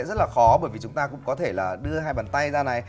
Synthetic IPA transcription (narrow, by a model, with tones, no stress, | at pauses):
nzə˦˥laː˨˩xɔ˨˦ɓəː˧˩jvi˨˩t͡ɕʊ˨˦ŋ͡mt̪aː˧kʊ̰˧˥ŋ͡mkɔ˨˦t̪ʰe˧˩laː˨˩ɗɨ˧əhaː˧jɓaː˨˩nt̪a˧jzaː˧na˨˩j